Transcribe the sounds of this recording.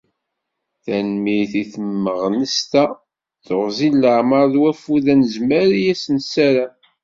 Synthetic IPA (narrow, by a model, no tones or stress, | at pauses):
θænmiθiθəmːəʁnəst̪æ | θoʁzilːəʕməɾˤðwæfuðænəzməɾijæsənsæɾa